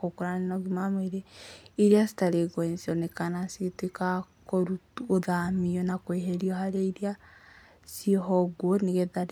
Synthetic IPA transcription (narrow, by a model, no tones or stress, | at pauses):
kokuɾaninɔɡimameɾeiɾiasi̥taɾeɡɔnsiɔnekanasiteka | koɾu | oðamiɔnakweɦeɾiɔɦaɾeiɾia | siɔɦɔɡoniɣeðaɾ